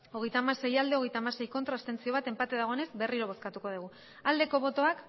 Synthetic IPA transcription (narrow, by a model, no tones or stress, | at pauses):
o̞ɣ̞e̞jt̪aːmaɾse̞jald̪e̞o̞ɣe̞jt̪aːmase̞jko̞nt̪ɾast̪e̞nt͡sio̞β̞at̪e̞mpat̪eðaɣo̞ene̞zbe̞riɾo̞β̞o̞skat̪uko̞ð̞uɣ̞u | ald̪e̞ko̞β̞o̞t̪o̞ak